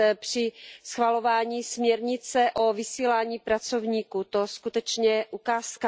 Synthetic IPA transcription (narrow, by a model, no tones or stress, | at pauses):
pr̝̥ɪsxvalo̞vaːɲiːsmɲɛɾɲɪt͡sɛʔo̞vɪsiːlaːɲiːpɾat͡sovɲiːkut̪o̞skut̪ɛt͡ʃɲɛʔukaːska